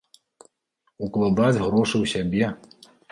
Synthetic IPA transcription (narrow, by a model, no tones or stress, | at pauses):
uklˠad̪ad͡zʲɣɾɔʂɨwsʲabʲɛ